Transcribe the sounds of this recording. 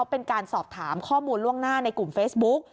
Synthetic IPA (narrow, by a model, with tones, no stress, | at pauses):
wpe˧nkaː˧nsɔː˨˩p̚t̪ʰa̰ː˩˦mkʰɔː˥˩muː˧nlu˥˩əŋnaː˥˩na˧jku˨˩mfeː˦˥sbu˦˥k̚